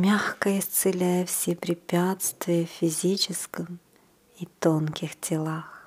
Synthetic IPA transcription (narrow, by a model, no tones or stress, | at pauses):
mʲaxkəɪst̪sɨlʲæjəfsʲepɾʲɪpʲat̪st̪vʲɪjəffʲɪzʲit͡ɕɪskəm | it̪onkʲɪxtʲʰɪlˠax